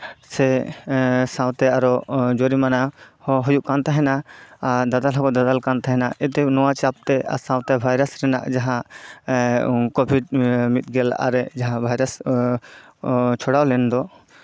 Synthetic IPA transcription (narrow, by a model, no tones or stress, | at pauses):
sɛ | sãwt̪ɛaɾɔd͡ʒoɾimanahɦɔjuʔkant̪aɦɛna | d̪ad̪alɦɔkɔd̪ad̪alkant̪aɦɛnaɛt̪ɛnɔwat͡ʃap̚t̪ɛa̰sãw̃t̪ɛbʱajɾasɾɛna̰ʔd͡ʒaɦã | kɔbʱiɖmit̪̚ˀɡɛla̰ɾɛd͡ʒaɦãbʱajɾas | t͡ʃʰɔɽawlɛnd̪ɔ